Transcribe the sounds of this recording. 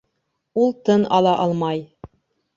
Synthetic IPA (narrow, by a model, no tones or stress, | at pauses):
ulˠt̪ɤnɑlˠɑʔɑlˠmɑj